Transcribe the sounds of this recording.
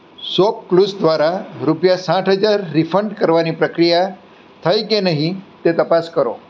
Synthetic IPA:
sop̚klusd̪ʋaɾaɾupjasãʈʰɦəd͡ʒaɾːifəɳɖkəɾʋanipɾəkɾija | t̪ʰəjkenəɦĩt̪et̪əpaskəɾo̰

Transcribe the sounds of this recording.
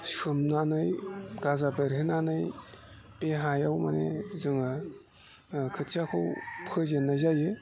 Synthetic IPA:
sɯmnanɯjɡazabɯɾɦenanɯj | peɦajawmanḛzɯŋa | kʰɯtʰiakʰɯwpʰɯzenːazajɯ

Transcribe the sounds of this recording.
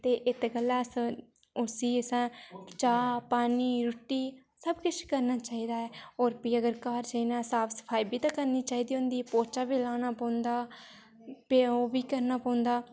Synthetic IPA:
t̪eːʔɪt̪ɡəlːaːs | ʊsiːəsãːt͡ʃaːpaːniːɾʊʈːiː | səbkɪt͡ʃʰkəɾnaːt͡ʃaːiːd̪aːɛːoːɾpiːjəɡəɾkaːɾd͡ʒəinãːsaːpʰsə̥pʰaːiːbiːt̪ãːkəɾniːt͡ʃaːiːd̪iːɦõːnd̪iːpoːt͡ʃaːbiːlaːnaːpõːnd̪aː | peoːbiːkəɾnaːpɔ̃ːʊnd̪aː

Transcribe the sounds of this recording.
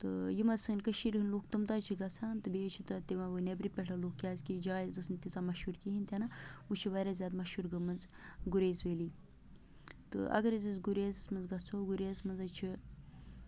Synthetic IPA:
t̪ɨjimɐzsɨnʲkəʃiɾɨnloːkt̪ɨmt̪at͡ʃʰiɡɐt͡sʰaːnt̪ɨbet͡ʃʰit̪ɨt̪imɐʋɨnebɾipʲɛʈʰɐloːkːʲaːzkid͡ʒaːizd̪ɨsnʲt̪isaːmɐʃuɾkiɦinʲt̪ʲɐnɐut͡ʃʰiʋaɾazʲjaːd̪mɐʃuɾɡɐmɐnzɡuɾeːsʋeːliː | t̪ɨ̰ʔɐ̰ɡɐɾizizɡuɾeːzsmɐnzɡɐt͡sʰoːɡuɾeːsmɐnzɐt͡ʃʰi

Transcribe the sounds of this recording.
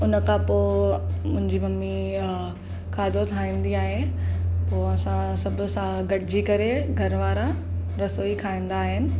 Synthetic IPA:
ʊnə̆kʰãpoːmʊ̃ɦɪ̃ɲd͡ʑimɐmi | kʰaːd̪ʱot̪ʰaːĩːn̆d̪iaːɦepoːɐsãsɐbʱʊ̆sãɡɐʈɪd͡ʑikɐɾeɡʱɐɾʋaːɾãɾɐsoːikʰaːĩːn̆d̪aːɦɪnɪ̆

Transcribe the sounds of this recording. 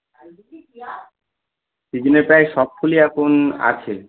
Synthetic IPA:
sid͡ʑineɾpajʃɔb̚kʰuliɛkʰona̰t͡ɕʰe

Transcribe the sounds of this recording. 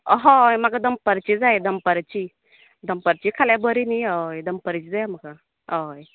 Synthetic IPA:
ɦɔ̃jmakad̪əmpəɾt͡ɕid͡zajd̪əmpəɾt͡ɕi | d̪əmpəɾt͡ɕikʰaljabəɾiniɦəjd̪əmpəɾt͡ɕid͡zajməka | əj

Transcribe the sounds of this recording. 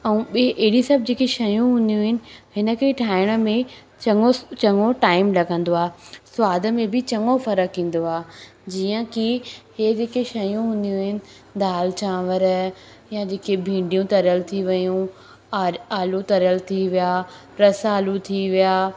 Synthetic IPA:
ɛ̃ũɓʔeɦɪɽisɐb̚ʱd͡ʑeːkeʃɐjũɦʊ̃nd̪ijũɦɪnɪ̆hɪnə̆kʰeʈʰaːɪɽ̃ə̆mẽ | t͡ɕɐŋot͡ɕɐŋoʈaːɪmlɐɡʱə̃nd̪oaːsʊwaːd̪ə̆mẽbɪt͡ɕɐŋɡofɐɾəkɦĩːn̆d̪oaː | d͡ʑiːə̃kiheːd͡ʑeːkeʃɐjũɦʊ̃nd̪ijũɦɪnɪ̆ | d̪aːlt͡ɕãːʋəɾ | jad͡ʑeːkʰebʱĩːɳɖijũt̪ɐɾjəlt̪ʰiʋɐjũ | aːlũt̪ɐɾjəlt̪ʰiʋijaː | ɾɐsaːlut̪ʰiʋijaː

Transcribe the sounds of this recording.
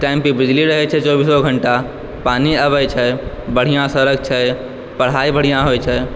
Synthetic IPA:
ʈajmpibɪd͡ʒliɾəɦɛt͡ʃʰɛt͡ʃɔːbisɔɡʱəɳʈa | paniəβɛt͡ʃʰɛ | bəɽ̤ijãsəɾəɡt͡ʃʰɛ | pəɽ̤aibəɽ̤ijãɦojt͡ʃʰɛ

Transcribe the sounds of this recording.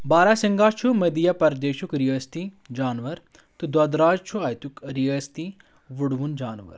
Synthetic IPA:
baːɾaːsɪŋɡaːt͡ʃʰumɐd̪ijapɐɾd̪eːʃukɾiəst̪i | d͡ʒaːnʋɐɾ | t̪ud̪ɐd̪ɾaːd͡ʒt͡ʃʰuaːjt̪ukɾiəst̪i | ʋuɽʋund͡ʒaːnʋə̰ɾ

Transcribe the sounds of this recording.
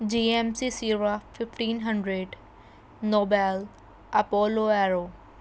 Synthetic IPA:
d͡ʒiːemsisiːɾafɪfʈĩːnɦə̃ɳɖɾeɖ | noːbɛl | ʔɐpoːloɛɾoː

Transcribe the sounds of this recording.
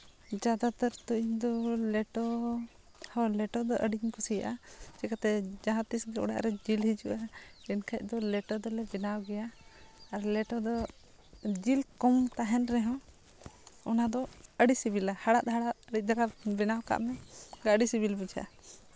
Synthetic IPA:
d͡ʒad̪at̪əɾt̪uʔiɲd̪ɔlɛʈɔ | hɔlɛʈɔd̪ɔʔəɖiɲkʰɔsija̰ʔat͡ʃɛkat̪ɛd͡ʒaɦãt̪isɡɛʔɔ̰ɽa̰ʔɾɛd͡ʒilɦid͡ʒṵʔaɛnkʰac̚ˀd̪ɔlɛʈɔd̪ɔlɛbɛnawɡɛjaː | ɾlɛʈɔd̪ɔ | d͡ʒilkɔmt̪aɦɛnɾɛɦɔ̃ | ɔnad̪ɔəɖisibilahaɽat̪̚ɦaɽat̪̚əɽic̚ˀd̪aɾabɛnawka̰ʔmɛɡaʔɖisibilbid͡ʒa̰ʔa

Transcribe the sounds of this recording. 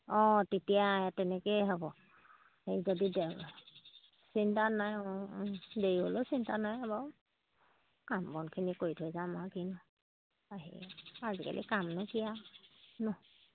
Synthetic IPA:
ɔ̃tetijatɛnɛkeɦɔbɔ | ejzodide | sintanajɔdeɹiɦolosintanajaba | kambɔnkʰinikojtʰojzamakin | aɦḭazika̰lʔḭkamnajkijanʊ

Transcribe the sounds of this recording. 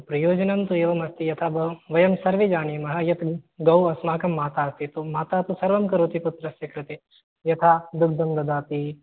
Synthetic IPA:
pɾɐjoːd͡ʒɐnɐmt̪ueːʋɐmɐst̪ijɐt̪ʰaːʋɐʋɐjɐmsɐɾʋed͡ʒaːɳimɐɦɐ̆jɐt̪ɡɐwɐsmaːkɐmːaːt̪aːɐst̪it̪umaːt̪aːt̪usɐɾʋɐmkɐɾoːt̪iput̪ɾɐsjɐkɾɨt̪e | jɐt̪ʰaːd̪uk̚d̪ɐmd̪ɐd̪aːt̪i

